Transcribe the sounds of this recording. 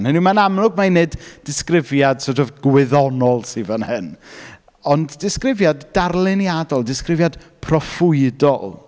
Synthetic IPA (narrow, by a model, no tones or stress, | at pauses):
nhənimanamlʊɡmajneddɪskrɪvjad̥sɔtɔvɡ̥wɪðɔnɔlˠsivənhɨn | ɔndːɪskrɪvjadːarlˠɪnjadɔlˠdɪskrɪvjad̥pʰrɔfʊɨdɔlˠ